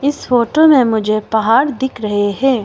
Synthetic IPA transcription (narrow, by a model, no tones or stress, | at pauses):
ɪsfoːʈomẽmʊd͡ʒʱepɐɦaːɾd̪ɪkʰɾɐɦeɦɛː